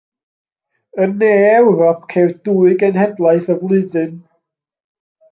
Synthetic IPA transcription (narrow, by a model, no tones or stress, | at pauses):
əneːɛwɾɔpʰkʰed̥uːɨɡənhɛdlˠaɨθəvlˠɨðɨn